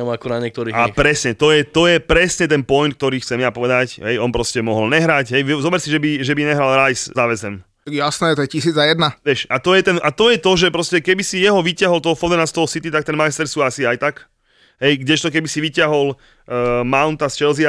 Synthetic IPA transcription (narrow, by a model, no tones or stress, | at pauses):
ɔmakɔnaɲɛk̚t̪ɔɾiːapɾɛsɲɛt̪ɔjɛt̪ɔjɛpɾɛsɲɛt̪ɛnpɔjnt̪kt̪ɔɾiːxt͡sɛmjapɔʋɛd̪acɦɛjɔnpɾɔscɛmɔɦɔlɲɛɦɾacɦɛjzɔbɛɾsiʒɛbiʒɛbiɲɛɦɾalɾajszaʋɛzɛm | jasnɛːt̪ɔjɛcis̬iːd͡zajɛd̪naʋɛʃat̪ɔjɛt̪ɛnʔat̪ɔjɛt̪ɔʒɛpɾɔscɛkɛbisijɛɦɔʋicɪaɦɔlt̪ɔɦɔfɔld̪ɛnast̪ɔɦɔsit̪it̪ak̚t̪ɛnmajst̪ɛɾsuːasiajt̪ak | ɦɛjɡɟɛʃt̪ɔkɛbisiʋicaɦɔlː | maʊnt̪ast͡ʃɛlzia